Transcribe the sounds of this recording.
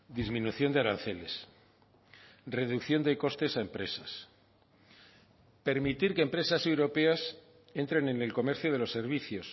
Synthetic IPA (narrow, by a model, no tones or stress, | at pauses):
d̪izmĩnuθjo̞nd̪eaɾanθe̞le̞s | re̞ðukθjo̞nd̪e̞ko̞st̪e̞saempɾe̞sas | pe̞ɾmit̪iɾkempɾe̞sase̞wɾo̞pe̞as | e̞nt̪ɾe̞nene̞lko̞me̞ɾθjoðe̞lo̞sːe̞ɾβ̞iθjo̞s